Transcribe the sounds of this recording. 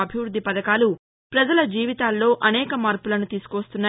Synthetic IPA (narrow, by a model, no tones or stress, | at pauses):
ɐbʱiʋɾud̪ʱːipɐd̪ɐkaːlu | pɾɐd͡ʒɐlɐd͡ʒiːʋit̪aːlːo̞ːʔɐnɛːkɐmaːɾpulɐnut̪iːsu̥koʋɐst̪unːa